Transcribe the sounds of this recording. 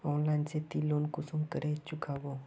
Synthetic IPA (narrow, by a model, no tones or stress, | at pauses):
ɔnlãnt͡set̪ilonkusumkəɾet͡ɕukʰaʋo